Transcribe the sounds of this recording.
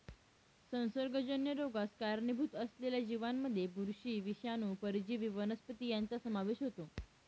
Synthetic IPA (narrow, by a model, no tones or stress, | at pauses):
sə̃w̃səɾɡəd͡ʑənjəɾoɡaskaɾnibʱut̪əsleljad͡ʑiʋanməd̪ʱːjebuɾɕiːʋiɕjanuːpəɾid͡ʑiːʋiʋənəspət̪iːjant͡sasəmaʋeʃɦot̪o